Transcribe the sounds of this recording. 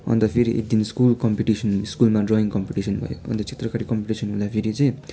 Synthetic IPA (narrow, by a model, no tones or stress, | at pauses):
ʌ̰nt̪ʌpʰeɾiʔḛk̚d̪inskulkʌmpiʈisʌnskulmaɖrʌiŋkʌmpiʈisʌnbʱʌ̰jo̰ʌ̰nt̪ʌt͡sʰe̥t̪rʌkaɾikʌmpiʈisʌnɦũld̪apʰeɾit͡sʌj̃